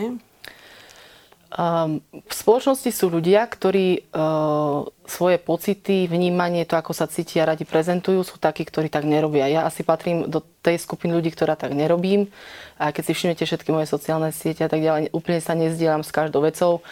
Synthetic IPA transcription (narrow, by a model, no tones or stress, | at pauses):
fspɔlɔt͡ʃnɔscisuːʎuɟɪakt̪ɔɾiː | sʋɔjɛpɔt͡sit̪ivɲiːmaɲɪɛt̪ɔakɔsat͡siːcɪaɾaɟipɾɛzɛnt̪ujuːsuːt̪akiːkt̪ɔɾiːt̪aɡɲɛɾɔbɪajaʔasipat̪ɾiːmd̪ɔt̪ɛjskupinʎuɟiːk̚t̪ɔɾaːt̪aɡɲɛɾɔbiːmajkɛcsifʃimɲɛcɛfʃɛt̪kimɔjɛsɔt͡siaːlnɛsɪɛcɛat̪aɡɟalɛjʔuːpl̩ɲɛsaɲɛzɟɪɛʎamskaʒd̪ɔʊʋɛt͡sɔʊ